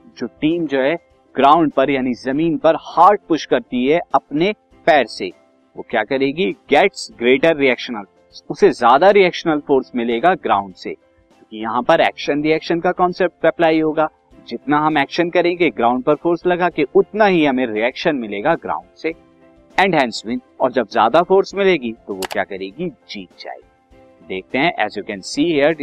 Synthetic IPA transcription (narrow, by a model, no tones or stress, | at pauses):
d͡ʒoːʈiːmd͡ʒoːɦɛ | ɡ̥ɾãːʊ̃ɳɖ̚pɐɾjaːnizɐmiːnpɐɾhaːɾʈ̚pʊʃkɐɾt̪iɦɛɐpne | pɛːɾsḛ | ʋoːkja̰ːkɐɾeːɡiɡɛːʈsɡɾeːʈəɾːiɛːkʃənəlfːsʊsezjaːd̪aɾiɛːkʃənəlfoːɾsmɪleːɡaɡɾã̰ːʊ̃ɳɖsḛ̃ː | kijɐɦãpɐɾɛːkʃənɾiɛːkʃənkakɔ̃ːnsɛp̚ʈʋɛplaːiɦoːɡaː | d͡ʒɪt̪naɦɐmɛːkʃənkɐɾẽːɡeɡɾãːʊ̃ɳɖ̚pɐɾfoːɾslɐɡakeʔʊt̪naɦiɦɐmẽɾiɛːkʃənmɪleːɡaɡɾa̰ːʊ̃ɳɖse | ɛ̃ːɳɖɦɛ̃ːnsʋɪ̃n | ɔ̰ːɾd͡ʒɐbzja̰ːd̪afoːɾsmɪleːɡit̪oʋokja̰ːkɐɾeːɡid͡ʒiːt̪̚t͡ʃa̰ːḭɡi | d̪eːk̚ʰt̪eɦɛ̃ʔɛ̰ːzjuːkɛ̃nsiːɦiəɾ